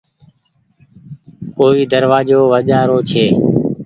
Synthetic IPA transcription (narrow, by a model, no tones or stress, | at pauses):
koːiːd̪əɾʋaːd͡ʒoːʋəd͡ʒaːɾoːt͡ʃʰeː